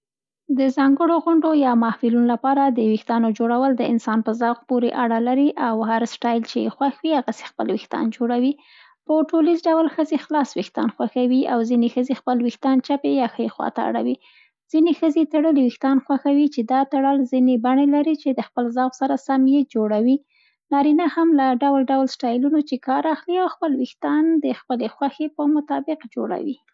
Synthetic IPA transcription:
d̪əzɑŋɡəɽoɣʊɳɖojɑmɑhfɪlunolapɑɾad̪əwixt̪ɑnod͡ʒoɽawəld̪əɪnsɑnpəzɑwɣpoɾeʔaɽalaɾiʔawhaɾsʈɑjlt͡ʃejexwaxwihaɣase̥xpə̰lwixt̪ɑ̰nd͡ʒoɽawi | pəʈolizɖawlxəzexlɑswixt̪ɑ̰nxwaxawiawzinexəzexpəlwixt̪ɑnt͡ʃapejɑxəjexwɑ̰t̪aa̰ɽa̰wi | z̥inexəzet̪aɽəliwɪxt̪ɑnxwaxawit͡ʃed̪ɑt̪aɽəlzinebaɳelaɾit͡ʃed̪əxpəlzɑɣsaɾasamjed͡ʒoɽawi | nɑɾinahamlaɖawlɖawlsʈɑjlunot͡ʃekɑɾaxliawxpəlwɪxt̪ɑnd̪əxpəlexwaxepəmʊt̪ɑbɪqd͡ʒo̰ɽa̰wḭ

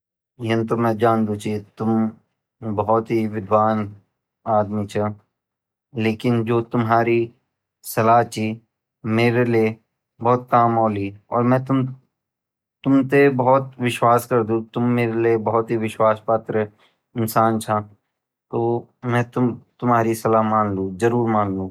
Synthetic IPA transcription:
j̃nt̪omɛ̃ːd͡ʒaːnd̪ũt͡ʃʰit̪ʊm | bɐɦɔt̪ɦiʋɪd̪ʱwaːn | aːd̪mit͡ʃʰɐ | leːkɪnd͡ʒoːt̪ʊmɦaːɾi | sɐlaːɦt͡ʃʰi | meːɾelie | bɔːt̪̚kaːmɔːliɔ̰ːɾmɛ̃ːt̪ʊm | t̪ʊmt̪ebɐɦɔt̪̚ʋɪʃwaːskɐɾd̪ũt̪ʊmːeːɾeliebɐɦɔt̪ɦiʋɪʃwaːspaːt̪ɾə | ɪnsaːnt͡ʃʰã | t̪oːmɛ̃ːt̪ʊt̪ʊmɦaːɾisɐlaːɦmãːnlũzɐɾuːɾmãːnlũː

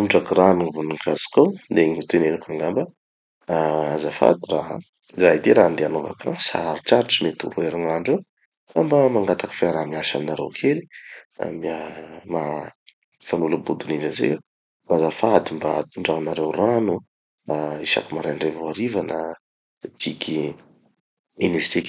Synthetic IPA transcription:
umʈ͡ʂakiranuŋivunuŋkazi̥kawd̪eŋit̪enenikaŋɡambə | aazafa̰d̪iraɦa̰ | zaɦid̪eɾaɦand̪eanova̰kʰaŋsa̰ɾiʈ͡ʂaɾʈ͡ʂimet̪ṵɾueɾiŋaɳɖ͡ʐew | ambəmaŋɡat̪akə̥faɾamiaʃaminaɾḛwkʰelia̰miama | fanuləbud̪unid͡ʒəzḛ | bazafad̪imbaat̪uɳɖ͡ʐanaɾewranu | aisa̰kumaɾajɳɖ͡ʐevoaɾivanə | d̪̥ikʲi | inest̪ik

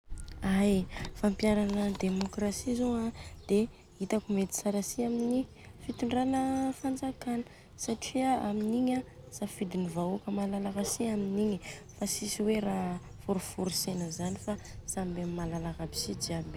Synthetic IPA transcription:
ajfampjaɾanəd̪emokɾasizoad̪̥e | it̪akumet̪i̥saɾasiamini | fit̪iɳɖ͡ʐanəfand͡zakanə̥ | saʈ͡ʂiaaminiɲasafid̪inivaokəmalalakasiaminiɲifasisiweɾa | fuɾufuɾisenəzanifasambammːalalakabi̥sid͡ʒiabe

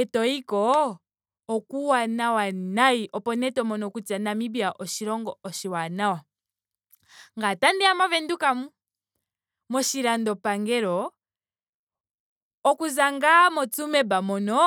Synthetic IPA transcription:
tɔikɔ | ɔkuwanawanaiʔɔpɔnɛtɔmɔnɔkutanamibiaʔɔʃiɾɔŋɡɔɔʃiwanawa | ŋɡatandiamavɛndukamu | mɔʃiɾandɔpaŋɡɛɾɔ | kuzaŋɡamɔt͡sumɛbamɔnɔ

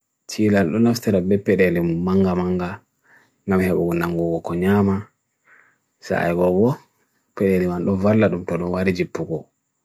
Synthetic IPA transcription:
t͡ʃilalɗɔnaftɛɾabɛpɛɗɛlimuːaŋɡamaŋɡa | ŋɡamhɛɓɔɡɔnaŋɡɔɡɔkɔɲama | sa̰jɡɔɡɔ | pɛɗɛlimanɗɔvalːaɗumtɔɗumwaɾid͡ʒipːuɡɔ

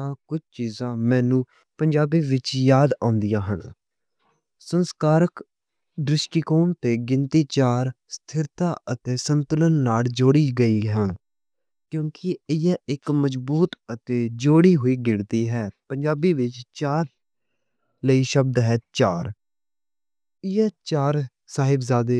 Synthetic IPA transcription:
ãːkʊt͡ʃʰt͡ʃiːzãːmɛ̃ːnũː | pəɲd͡ʒaːbiːʋɪt͡ʃjaːd̪ã̰ːnd̪ijãːɦəɳ | sənskaːɾək | d̪ɾɪʃʈiːkoːmt̪eːɡɪnt̪iːt͡ʃaːɾst̪ʰɪɾt̪aːət̪eːsənt̪ʊlənːaːld͡ʒoːɽiːɡəiːɦɛ̃ː | kjõːkɪɪjaɪkməd͡ʒbuːt̪ət̪eːd͡ʒoːɽiːɦoːiːɡɪɽd̪iːɦɛːpəɲd͡ʒaːbiːʋɪt͡ʃt͡ʃaːɾ | ləiːʃəb̚d̪ɦɛːt͡ʃaːɾ | ɪjaːt͡ʃaːɾ | saːɦɪbzaːd̪eː

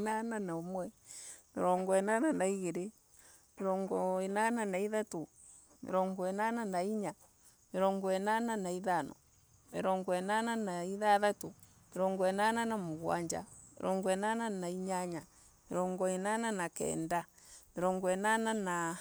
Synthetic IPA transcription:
nananaomwɛmeɾɔŋɡɔɛnananaiɣeɾe | meɾɔŋɡɔenananaiðato | mḛɾɔŋɡɔɛnananaiɲa | meɾɔŋɡɔɛnananaiðanɔ̰ | meɾɔŋɡɔɛnananaiðaðato | meɾɔŋɡɔɛnananamoɣwa̰ɲd͡ʒa̰ | mḛɾɔŋɡɔɛnananaiɲaɲa | mḛɾɔŋɡɔinananakɛ̰nda | meɾɔŋɡɔɛnanana

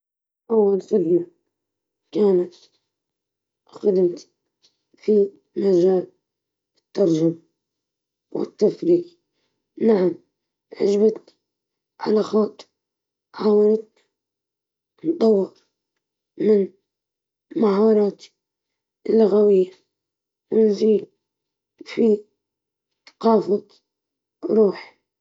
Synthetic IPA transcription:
ʔawːalsɪlna | kaːnat̪ | xad̪ɪmt̪ | fi | maʒaːl | ɪt̪ːɑɾˤʒama | wɪ̰t̪ːafɾiːq | naʕam | ʕɪ̰d͡ʒbat̪n | ʕa̰laxɑːt̪ˤː | ħaːwɪɾɪt̪na | nt̪ˤɑwːɪɾˤ | mɪn | mahɑːɾˤɑːt̪ | lːʊɣawɪjːa | wnziːd̪ | fi | tqɑːfɑt̪ˤ | wɾuːħ

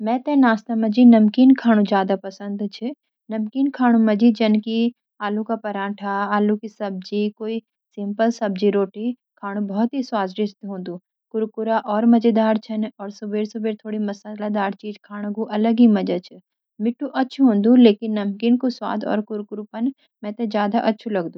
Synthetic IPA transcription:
mɛ̃ːt̪ɛ̃naːst̪amɐd͡ʒinɐmkiːnkʰaːɽ̃ũd͡ʒjaːd̪apɐsə̃nd̪t͡ʃʰɪ | nɐmkiːnkʰaːɽ̃ũmɐd͡ʒid͡ʒɐnki | aːlũkapɐɾãːʈʰaaːlũkisɐb̚d͡ʒikoːi | sɪ̃mpəlsɐb̚d͡ʒiɾoːʈi | kʰaːɽ̃ũbɔːt̪ɦiswaːzɾɪst̪ɦõːnd̪ũ | kʊɾkʊɾaʔɔːɾmɐd͡ʒəd̪aːɾt͡ʃʰɐnɔːɾsʊbeːɾsʊbeːɾt̪ʰoːɽimɐsaːlad̪aːɾt͡ʃiːd͡ʒkʰaːɽ̃ɡuʔɐləɡɦimɐd͡ʒət͡ʃʰɛ | mɪʈʰːũʔɐtːʃʰuɦõːnd̪ũleːkɪnːɐmkiːnkoswa̰ːd̪ɔ̰ːɾkʊɾkʊɾupɐn | mɛ̃t̪ed͡ʒjaːd̪aʔɐtːʃʰulɐɡd̪ũː

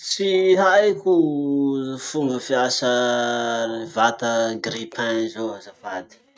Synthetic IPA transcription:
t͡siɦajku | fumbəfiasə | vat̪əɡripʰanizoazavad̪i̥

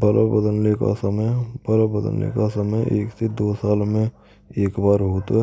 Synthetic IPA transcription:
bɐlo̰bəd̪ənleka̰səməjbɐlobəd̪ə̰nlḛkasəməjeːksed̪oːsaːlmẽ | eːkbaːɾɦoːt̪ɛ

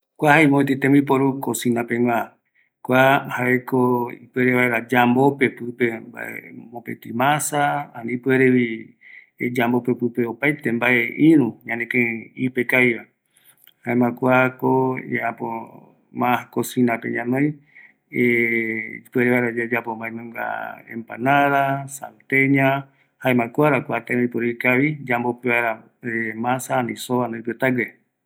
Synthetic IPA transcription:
kʷahaimõet̪it̪ẽmipoɾukosĩnãpeŋʷã | kʷahaʔekoipɨeɾeβaeɾad͡ʒambopepɨpemba̰ḛmõpet̪imãsaanĩpɨeɾeβi | ed͡ʒambopepɨpeopajt̪embaʔeʔĩɾũɲãnẽkẽipekajβa | haemãkʷakoeapo | mãakosinapḛɲãnõj̃ | e | peɾeβaeɾad͡ʒad͡ʒapombaenõŋɡa̰ḛmpa̰naɾasa̰nt̪eɲã | haemãkʷaɾakʷat̪ãoipoɾikaβid͡ʒambopeβaeɾa | emãsanisoβanapet̪aɡe

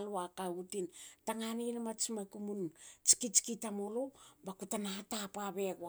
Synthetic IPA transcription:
luakautintaŋaninamat͡ʃimakumunt͡ʃi̥kit͡ʃi̥kitamolobakutanatapaβeɡua

